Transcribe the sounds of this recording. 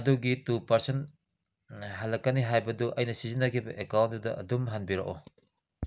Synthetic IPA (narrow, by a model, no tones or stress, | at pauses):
duɡitupɐɾsen | ɦɐlɐkːɐniɦajbɐduʔɐjnɐsizinːɐkʰibɐʔekawntudɐʔɐdumɦɐnbiɾa̰ʔɔ